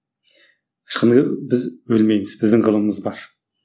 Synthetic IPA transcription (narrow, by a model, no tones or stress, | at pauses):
qʰʃqənʁəbɪzwɵlmejmɪzbɪzd̪ɪŋʁəlˠəməzbɑɾ